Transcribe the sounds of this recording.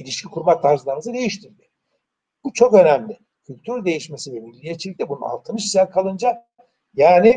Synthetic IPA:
ilʲiʃcʰikʰuɾmat̪ʰːaɾzlˠaɾmɯzɯd̪e̞jiʃt̪ʰiɾd̪ɪ | b̥ut͡ʃʰo̞kø̞næmlʲɪ | cʰylʲt̪ʰyɾd̪e̞jiʃme̞sivɛvilʲːijet͡ʃʰilʲict̪ɛbunṵa̰lˠt̪ʰɯnɯʃizæɾkʰalˠɯnd͡ʒa | jaːni

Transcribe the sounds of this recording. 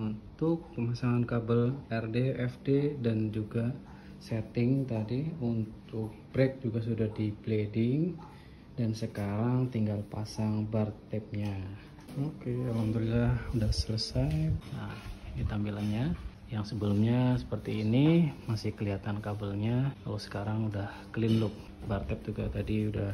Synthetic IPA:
unt̪ʊk̚pəmasaŋankabəlɛrdeɛfdedand͡ʒuɡa | sɛt̪ɪŋt̪adiunt̪ʊk̚b̥ɾɛk̚d͡ʒuɡas̬udahdipledɪŋ | dansəkaɾaŋt̪iŋɡalpasaŋbərt̪ɛp̚ɲa | okealamt̪uɾilaudahsələsajnahdit̪ampilanɲa | jaŋsəbəlʊmɲasə̥pərt̪iːnimasɪhkəliɦat̪ankabəlɲaka̰losə̥kaɾaŋudah | kəlindʊk̚ | bart̪ɛp̚d͡ʒuɡat̪adiudah

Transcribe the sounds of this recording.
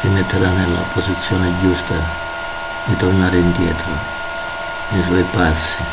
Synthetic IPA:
inːet̪ːeɾanela̰opːosit̪sːjoːned͡ʒust̪a | d̪it̪ornaɾeind̪jet̪ɾo | nesoepasːi

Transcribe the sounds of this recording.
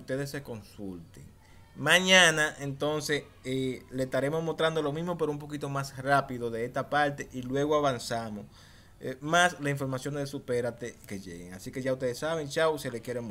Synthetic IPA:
ut̪e̞ðe̞sːe̞ko̞nsult̪ḛŋ | mãɲãnaʔe̞nt̪o̞nse̞s | eleest̪aɾe̞mo̞smo̞st̪ɾand̪o̞lo̞mizmopeɾoumpo̞kit̪o̞masrapiðo̞ðe̞est̪apaɾt̪eʔilwe̞ɣ̞oaβansamo̞s | maslasiɱfo̞ɾmasjo̞nd̪esupe̞ɾat̪eke̞ʝḛɣeŋasike̞ʝaust̪e̞ðesaβeŋt͡ʃawselekje̞ɾemo

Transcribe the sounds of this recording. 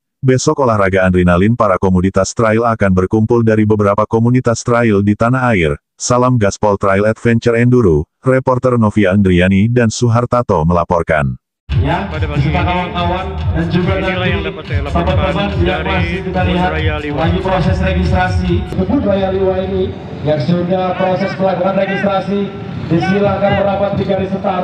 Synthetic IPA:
bɛsɔkolahraɡaːndɾinalinpaɾakomunit̪ast̪ɾailakanbərkumpʊldaɾibəbəɾapakomunit̪ast̪ɾaildit̪anaɦaɪr | salamɡaspɔlt̪ɾailɛt̪fɛnt͡ʃərɛnduɾurɛpɔrt̪ərnɔfiaəŋɡɾianidansuɦart̪at̪oməlapɔrka̰n | jadisət̪akawaŋt̪awandand͡ʒuɡanant̪it̪apapəmand͡ʒiɡaʔmasikit̪aliɦat̪̚laɡipɾosɛsreɡist̪ɾasiit̪upʊnrajaliwaini | jaksəndapɾosɛspəlaɡaɾanreɡist̪ɾasi | disilakanməɾabat̪̚diɡaɾisət̪a

